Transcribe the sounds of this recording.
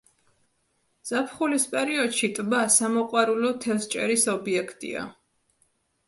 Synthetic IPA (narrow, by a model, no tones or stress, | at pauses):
z̥apʰχulispʼɛɾiɔd̪ʃit̪ʼbasamɔqʼwaɾulɔt̪ʰɛst͡ʃʼɛ̰ɾisɔbiɛkʰt̪ʼḭa̰